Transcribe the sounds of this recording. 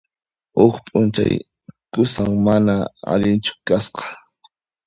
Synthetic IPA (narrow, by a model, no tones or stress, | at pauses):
ʊχpʼʊnt͡ʃa̰j | kʊsaŋmanaa̰ʎɪnt͡ʃʊ̥kasqɑ̥